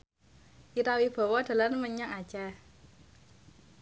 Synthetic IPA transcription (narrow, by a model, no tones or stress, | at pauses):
ʔiɾawib̥ɔ̤wɔd̪̥a̤lanməɲaŋad̥ʒ̥a